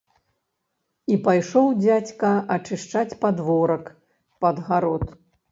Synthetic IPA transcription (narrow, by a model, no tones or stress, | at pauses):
ipajʂɔwd͡zʲat͡sʲkɐɐt͡ʂɨʂt͡ʂat͡sʲpad̪vɔɾɐk | pɐd̪ɣaɾɔt̪